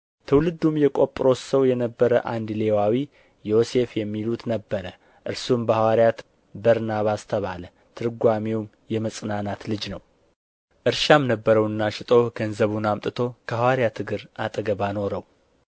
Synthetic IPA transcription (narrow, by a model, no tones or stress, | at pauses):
t̪ʰəwlɨd̪ːumjɛkʼo̞pʼɾo̞səwjɛnəbːəɾəʔand̪le̞wawi | jo̞se̞fjɛmːilut̪nəbːəɾə | ʔɨɾsumbəhawaɾjat̪ | bəɾnaβast̪ʰəβalə | t̪ʰɨɾɡʷamewm | jɛməsʼɨnanat̪lɨd͡ʒnəw | ʔɨɾʃamnəbːəɾəwɨnːaʃɪt̪ʼoɡənzəβunamt̪ʼɨt̪ʰo̞kʰəhawaɾjat̪ʰɨɡɨɾat̪ʼəɡəβano̞ɾəw